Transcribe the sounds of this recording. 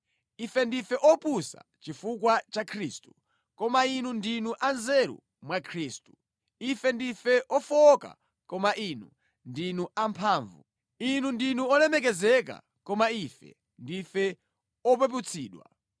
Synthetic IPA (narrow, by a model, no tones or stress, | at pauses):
ifɛndifɛʔɔpusa̰t͡ʃifukwat͡ʃakʰɾiːstu̥ | kɔmainundinuʔanzɛɾṵ | mwakʰɾiːstu̥ | ifɛndifɛʔɔfɔka̰ | kɔmaʔinu | ndinuampʰaːɱvṵ | inundinuɔnɛmɛk̬ɛzɛka̰ | kɔmaifɛ̰ | ndifɛ | ɔp̬ɛp̬ut͡sʰiːɗwa̰